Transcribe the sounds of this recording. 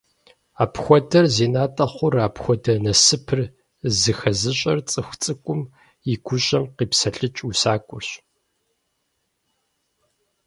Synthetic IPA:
aːpxʷɔdɐrzeːnaːtʼɐχʷʊraːpxʷɔdɐnɐsɨpʰɨr | zɨxɐzɨɕʼɐrt͡sʼɨxʷt͡sʼɨkʷʼʊm | iɡʷʰʊɕʼɐmqiːpsɐɬʼɨt͡ʃʼusaːkʷʼʊrɕ

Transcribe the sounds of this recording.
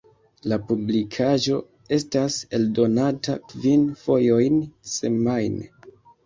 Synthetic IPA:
lapublikʰaʒo̞ | e̞stase̞ldo̞natakvinfo̞jo̞jnse̞majn

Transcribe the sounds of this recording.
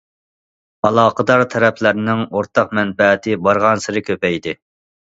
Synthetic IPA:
ɑlˠɑːqʰəd̪ɑɾt̪ʰɛɾɛpʰlæɾnɪŋoɾt̪ʰɑq̚mɛnbɛt̪ʰɪbɑɾʁɑnsɨɾɨkʲʰøpɛjd̪ɪ

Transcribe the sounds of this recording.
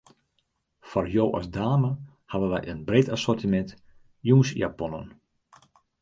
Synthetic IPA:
fɔrjowʔɔ̰sdaːmə | haʋənʋɛjənbretasɔrtimɛnt | juːnsja̰pɔnə̰n

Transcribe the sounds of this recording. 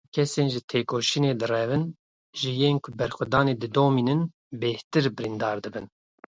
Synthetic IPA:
kʰɛseːnʒɨt̪ʰeːkoːʃineːd̪ɨrɛvɨn | ʒɨjeːnkʰʊbɛɾxʷɛd̪ɑːneːd̪ɨd̪oːmiːnɨn | beht̪ɨɾbɨɾind̪ɑːɾd̪ɨbɨn

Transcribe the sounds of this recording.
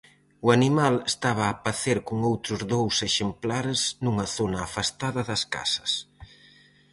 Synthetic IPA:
uanimalest̪aβ̞ɐːpaθeɾkuŋowt̪ɾʊzðowseʃemplaɾznuŋɐθonɐːfast̪aðɐðɐska̰sɐ̥s

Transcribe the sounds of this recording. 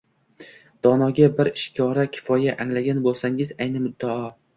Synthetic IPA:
d̪̥ɒnɒɡʲabɪɾɪʃkʲʰɒɾakʲʰɪ̥fɒjaʔaŋlaɡʲanbolˠsaŋɪzajnɪmʊd̪ːɒɒ

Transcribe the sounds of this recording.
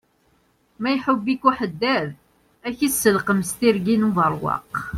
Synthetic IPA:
mæjħəbːikuħəd̪ːæɾ | æçisːəlqəmst̪iɾɡinuvəɾˤwɑ̰q

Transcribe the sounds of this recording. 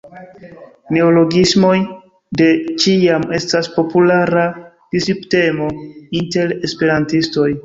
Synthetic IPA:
ne̞olo̞ɡismo̞j | de̞t͡ʃiame̞staspo̞pulaɾa | b̥isipte̞mo̞inte̞ɾe̞spe̞ɾantisto̞j

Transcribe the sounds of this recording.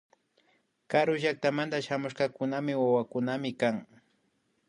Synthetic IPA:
kaɾʊʒak̚t̪amant̪aʃamʊʃqɑkʊnamɪwawakʊnamɪkaŋ

